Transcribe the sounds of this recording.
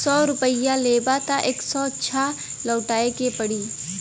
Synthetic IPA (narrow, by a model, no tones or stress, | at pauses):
sɔːɾʊpəɪjaleːbat̪aʔeːksɔtːʃʰa | lɔːʈaːekepəɽiː